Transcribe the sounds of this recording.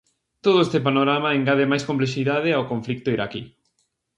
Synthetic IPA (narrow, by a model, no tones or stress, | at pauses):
t̪oðʊest̪epanoɾamaeŋɡaðemajskõmpleʃiðað̞ɪawkõɱflik̚t̪ʊiɾaki